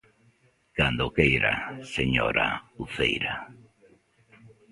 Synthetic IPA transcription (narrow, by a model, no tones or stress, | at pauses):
kand̪okejɾa̰seɲoɾa̰uθḛjɾa